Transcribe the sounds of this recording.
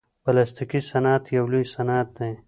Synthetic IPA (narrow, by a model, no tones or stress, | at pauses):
b̥ɐlast̪ikisɐnaːt̪ʰjɐwlusɐnaːt̪̚nẽː